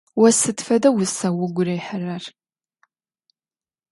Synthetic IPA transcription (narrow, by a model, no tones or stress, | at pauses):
wɐsɨtfɐdɐwʊsɐwʊɡʷʊɾɐjħərɐr